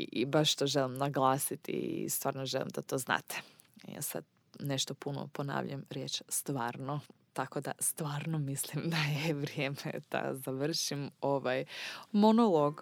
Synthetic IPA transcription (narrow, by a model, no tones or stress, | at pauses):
ibaʃt̪oːʒelimnaɡlˠaːsit̪ḭist̪ʋaːɾnoʒelˠḭmd̪at̪oːzna̰ːt̪ʰe̥ | ja̰ːsa̰d̪̚ | neʃt̪opuno̰pona̰ːʋʎa̰mɾjeːt͡ʃst̪ʋaːɾnot̪akod̪a̰st̪ʋaːɾnomislˠimd̪ajeʋɾjeːmḛd̪̥a̰zaʋr̩ʃimoʋajmonolˠoɡ